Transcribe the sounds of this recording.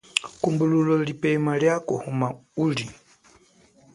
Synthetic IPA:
kumbululɔlipɛmaljakɔhumauli

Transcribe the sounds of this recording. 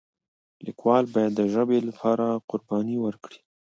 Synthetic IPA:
likwɑlbɑjad̪ːəʒəbelapʰɑɾaqʊɾbɑniwəɾkɽi̥

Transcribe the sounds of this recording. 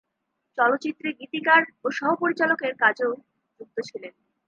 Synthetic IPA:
t͡ɕɔlot̪ːɕit̪ːɾiɡit̪ikaɾoʃɔɦopoɾit͡ɕalokeɾkad͡ʑeo | d͡ʑuk̚t̪ot͡ɕʰilen

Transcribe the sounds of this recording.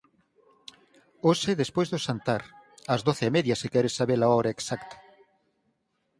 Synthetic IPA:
osɪðespojzðʊsant̪aɾɐzðoθɪemɛðjɐsekɛɾɪsaβeɾaɔβɾɐeksakt̪ɐ̥

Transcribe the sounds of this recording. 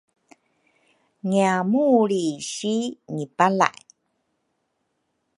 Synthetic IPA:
ŋiamuɾiɕiŋipala̰ʔj

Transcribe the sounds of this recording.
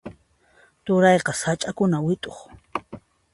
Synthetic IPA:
t̪ʊɾɑjqɑsat͡ʃʼakʊnawɪt̪ʼoχ

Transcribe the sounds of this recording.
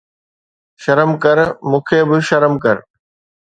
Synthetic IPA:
ʃɐɾəmkɐɾmũːkʰebɪʃɐɾəmkɐɾ

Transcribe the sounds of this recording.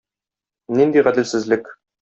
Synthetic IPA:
nind̪iʁæd̪ɘ̆lsɘ̆zlɘk

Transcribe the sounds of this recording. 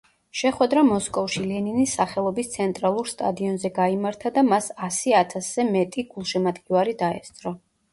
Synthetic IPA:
ʃɛχwɛd̪ɾamɔskʼɔfʃilɛninisːaχɛlˠɔbist̪sʰɛnt̪ʼɾalˠuɾst̪ʼa̰d̪iɔnzɛɡaimaɾt̪ʰad̪amasasiat̪ʰaszɛmɛt̪ʼiɡ̥ulˠʃɛmat̪ɡʼivaɾid̪aɛ̰st̪sʼɾɔ

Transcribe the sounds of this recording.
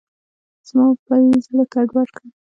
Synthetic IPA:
z̥mɑpajzəlakaɖwaɾkə

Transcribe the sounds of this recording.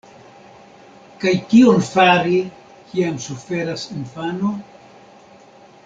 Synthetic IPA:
kajkionfaɾi | kiamsufe̞ɾasinfano

